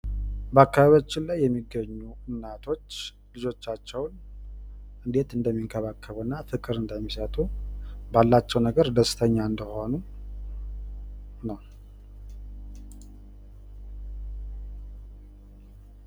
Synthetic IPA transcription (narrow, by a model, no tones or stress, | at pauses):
bəakːaβaβjot͡ʃːɪnlajːɛmːiɡːəɲːuɨnːat̪ʰo̞t͡ʃː | lɨd͡ʒo̞t͡ʃːat͡ʃːɛwn | ʔɨnd̪e̞t̪ɨnd̪əmːiŋkʰəβakʰːəβunːafɨkʼɨɾɨnd̪əmːisət̪ʼubalːat͡ʃːɛwnəɡəɾd̪əsɨ̥t̪ʰəɲːaɨnd̪əho̞nu | nəw